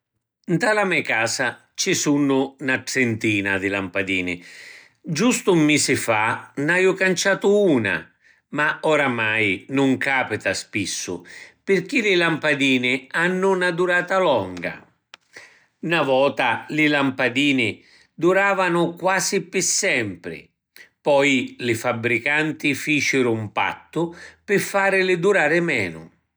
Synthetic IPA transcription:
nt̪alamɛkaːsa | t͡ʃisunːʊnaʈɾɛnt̪iːnad̪ɪlampad̪iːnɪ̰ | d͡ʒust̪ʊmːisɪfanajʊkant͡ʃaːt̪ʊuːna̰ | maɔɾamajnʊŋkaːpɪt̪aspisːʊ̰pɪrk̟ilɪlampad̪iːnɪanːʊnad̪uɾaːt̪alɔŋɡa̰ | navɔːt̪alɪlampad̪iːnɪ | d̪uɾaːvanʊkwaːzɪpɪsːɛmpɾɪ̰ | pɔjlɪfabɾikant̪ɪfiːt͡ʃɪɾʊmpa̰t̪ːʊpɪfːaːɾɪlɪd̪uɾaːɾɪmɛ̰ːnʊ̰

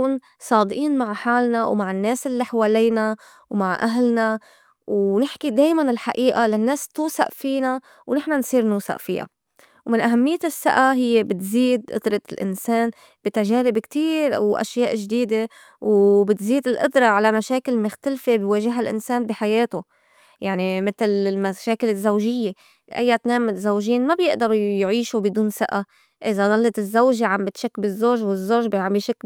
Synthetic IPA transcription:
uːn | sˤɑːd̪ʔiːnmaʕħaːlnawmaʕɪnːeːsɪlːiħaweːliːna | wmaʕʔaɦlna | wnɪħkid̪eːjmanɪlħaʔiːʔalanːeːst̪uːsa̰ʔfiːna | wnɪħnansˤiːɾnuːsa̰ʔfḭja̰ | wmɪnʔaɦamːɪjːesːa̰ʔaɦɪjːebɪt̪ziːd̪̚ʔʊ̰d̪ɾˤɑlʔɪ̰nseːn | b̥it̪aʒeːɾɪbkt̪iːɾwʔa̰ʃjaːʔʒd̪iːd̪e | wbɪt̪ziːd̪ɪlʔʊ̰d̪ɾˤɑʕalamaʃeːkɪlmʊxt̪alfebweːʒɪɦalʔɪ̰nseːnbiħajeːt̪o | jaʕnimɪt̪lmaʃeːkɪlɪzːawʒɪjːe | ʔa̰jːat̪neːmɪt̪zawʒiːnmabjɪʔd̪ɑɾˤjʕiːʃubɪd̪uːnsɪʔa | ʔɪzad̪ˤɑlːɑt̪ɪzːawʒeʕambɪt̪ʃakːbɪzːoːʒwɪzːoːʒbʕambjʃakː

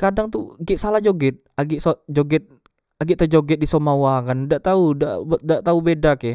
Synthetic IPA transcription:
kadaŋt̪uɡɛʔsalahd͡ʒoɡɛt̪̚aɡiʔsod͡ʒoɡɛt̪̚ | aɡiʔt̪əd͡ʒoɡɛt̪̚disomawakandaʔt̪auda̰ʔdaʔt̪aubedakɛ

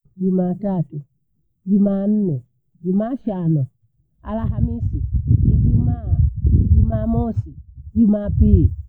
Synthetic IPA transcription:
d͡ʒumatatu | d͡ʒuman̩nɛ | d͡ʒumaʃanɔ | a̰laɦamisiid͡ʒumad͡ʒumamɔsid͡ʒumapili

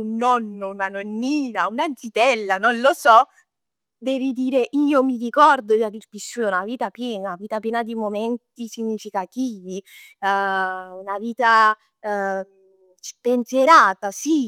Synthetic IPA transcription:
unːɔnːounanonːiːnaunad̪sit̪ɛlːanonlosɔ | d̪ɛːvid̪iːɾeʔiːomirikɔrd̪od͡ʒad̪ilpisːunaviːt̪apjɛːnaviːt̪apjɛːnad̪imomɛnt̪isiɲːifikat̪iːvi | unaviːt̪a | spenseɾaːt̪asi

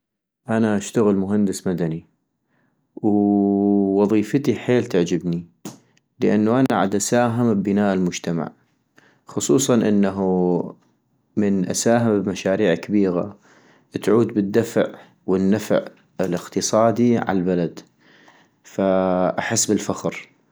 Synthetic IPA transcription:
ʔanaʔaʃt̪aɣɪlmʊɦand̪ɪsmad̪ani | w | wɑðˤiːfət̪iħeːlt̪ɪʕd͡ʒɪbni | ləʔanːuʔanaʕa̰d̪ʔasaːɦɪmbːɪnaːʔɪlmʊd͡ʒt̪ama̰ʕ | xʊsˤuːsˤɑnʔɪnːaɦu | mɪnʔasaːɦɪmbmaʃaːɾiːʕkːabiːɣa̰ | t̪ʕuːd̪bɪd̪ːafʕ | wɪnːafʕ | ɪlɪqt̪ɨsˤɑːd̪iʕa̰lbalad̪ | faʔaħɪsːbɪlfaxɾ

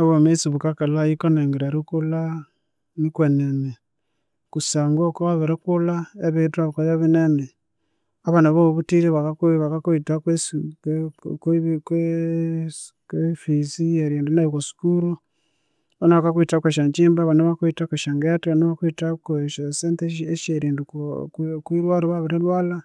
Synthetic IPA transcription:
oβomet͡siβukakalajikoneŋɡeɾeɾukula | nikwenene | kusaːŋɡokoaβeɾekulaeβitaβkojeβineme | aβanaβoβoβutileβakakβakakoitakwe | kkwe | kwefizieɾjeːndinaikosi̥kuɾu | onaβakakwitakweʃaɲt͡ʃiːmbaːβanaβaketakweʃaŋɡetaniβakwitakeʃsenteeʃeɾiːndu | kwiɾwaːloβaβiɾelwaːla

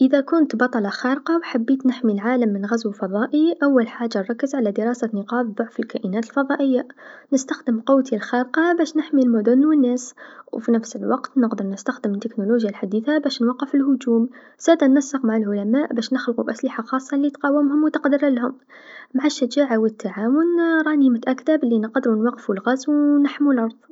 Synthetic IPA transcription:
ʔəðækʊnt̪bɑt̪ˤɑlɑxæɾqɑwħabːiːt̪nɪħmilʕaːləmːənɣæzwlfɑðˤɑːʔiʔawːælħaʒːarˤɑkːəzʕalæd̪əɾˤɑːsanəqɑːbðˤʊʕfəlkæʔinæːt̪əlfɑðˤɑːʔəjːanəst̪axd̪əmqʊwt̪ilxæɾqɑbæːʃnɪħmilmʊd̪ʊnwənːæswfinæfsəlwɑqt̪nəqd̪əɾˤnəst̪axd̪əmət̪ːɪknuloʒjalħad̪iːθabæʃnwɑqːəfʊlhʊd͡ʒuːm | z̥æːd̪ænmæsːəqmaʕalʕʊlæmaːʔbæːʃnəxlqubʔæslɪħaxɑːsˤːɑlːit̪qɑwəmhʊmwt̪əqd̪əɾalhʊm | maʕaʃːad͡ʒaːʕawət̪ːaʕaːwʊnɾˤɑnimʊt̪ʔækt̪ablːinəqd̪ɾunwɑqːfulɣæzwnaħmulʔɑɾˤðˤ

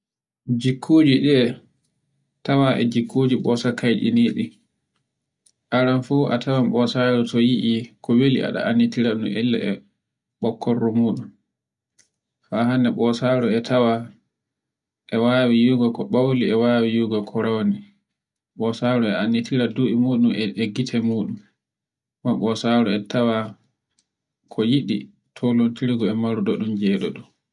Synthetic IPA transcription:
d͡ʒikʰːuːd͡ʒiɗɛ | tawaʔɛ̰d͡ʒikʰːod͡ʒiɓɔsakajɗḭniːɗi | ʔaɾanfuːʔa̰tʰawamɓɔsaɾɔtɔjiʔikʰɔwilḭʔa̰ɗa̰ʔanːitiɾaɗumɛlːa̰ʔɛ̰ | ɓɔkʰːɔrːɔmuːɗum | fahanːɛɓɔsaɾɔɛtʰawa | ʔɛwaːwijuɡɔkɔɓawliɛwaːwijuɡɔkʰɔɾawni | ɓɔsaːɾɔɛanːitiɾaduɛmuːɗumɛeɡitʰɛmuːɗum | maɓɔsaɾɔɛtʰawa | kʰɔjiɗi | tʰolontiɾiɡɔɛmaɾuɗɔɗumd͡ʒɛːɗɔɗɔ

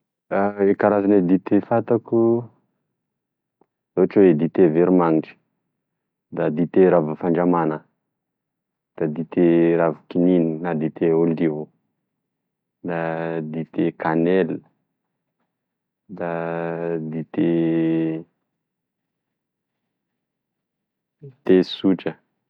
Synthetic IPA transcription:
aekaɾazaned̪it̪efat̪aku | zoaʈ͡ʂuwed̪it̪eveɾumaŋiʈ͡ʂə̥ | d̪ad̪it̪eɾavufaɳɖ͡ʐamanə | d̪̥ad̪it̪eɾavukinininad̪it̪eold̪ivo | d̪ad̪it̪ekanɛl | d̪a | d̪it̪e | t̪esuʈ͡ʂə

